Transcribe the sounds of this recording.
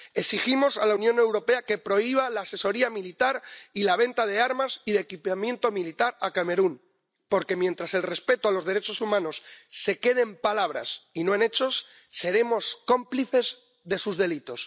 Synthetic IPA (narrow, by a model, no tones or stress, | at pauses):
eksiximo̞salaunjõ̞ne̞wɾo̞pe̞ake̞pɾo̞iβ̞alaːse̞so̞ɾiamilit̪aɾilaβ̞e̞nt̪að̞e̞aɾmasiðekipamjẽ̞nt̪o̞milit̪aɾakame̞ɾun | po̞ɾke̞mje̞nt̪ɾase̞lre̞spe̞t̪oalo̞zðeɾe̞t͡ʃo̞sumãno̞sːe̞ke̞ð̞e̞mpalaβ̞ɾa̰sinoene̞t͡ʃo̞sː | e̞ɾemo̞sko̞mpliθe̞z | ðe̞suzðe̞lit̪o̞s